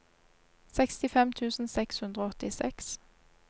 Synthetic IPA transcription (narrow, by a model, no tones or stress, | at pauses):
sɛkst̪ɪfɛmt̪ʰʉːsn̩sɛkshʉnd̪ʁoːɔt̪ɪsɛks